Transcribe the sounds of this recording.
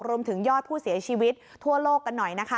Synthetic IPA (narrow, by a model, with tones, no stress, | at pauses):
k̚ɾu˧əmt̪ʰɯ˩˦ŋjɔː˥˩t̪̚pʰuː˥˩si˨˩˦t͡ɕʰiː˧wi˦˥t̪̚t̪ʰːu˥˩ɐloː˥˩kːa˧nːɔ˨˩jna˦˥kʰa˦˥